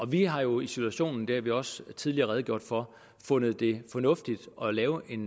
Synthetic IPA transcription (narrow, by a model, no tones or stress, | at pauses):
ɒ̽ʋiɦɑ̈jo̝isit͡sʰuæɕo̝̰ːnn̩d̥æɐʋiɒ̽st͡sʰið̞ˠliɐːʁɛð̞ˠɡjo̝ɐ̰d̥fɒ | fɔ̽nð̞ˠd̥e̝fɒ̽nɔ̽fd̥id̥ʔɒ̽lɛːʊʔe̝n